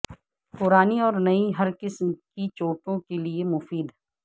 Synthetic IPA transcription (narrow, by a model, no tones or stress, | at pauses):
pʊɾaːniɔːɾnɐiɦɐɾkɪsmkit͡ʃoːʈõkeliemʊfiːd̪